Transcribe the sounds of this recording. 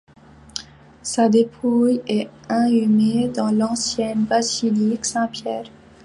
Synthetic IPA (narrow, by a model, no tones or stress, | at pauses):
sad̪epʰujɛ | ɛ̃ymed̪ɑ̃lɑ̃sjɛnbaziliksɛ̃pjɛːʁ